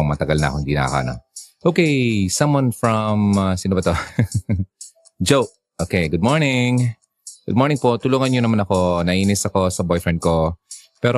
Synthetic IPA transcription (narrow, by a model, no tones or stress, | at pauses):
oŋmɐt̪ɐɡɐlnɐ̰ɐkoɪnd̪inɐ̰kɐ̰no̰ʔowkejsɐmwɐnfɹɐmasɪnuːbɐt̪o | d͡ʒowʔ | ʔoːkejɡʊd̪̚moɹnɪŋ | ɡʊ̰d̪̚moɹnɪŋpo̞t̪ʊluːŋɐnɲonɐmanɐko̞nɐʔiːnɪsɐko̞sɐbojfɹɛnd̪̚kopɛːɾo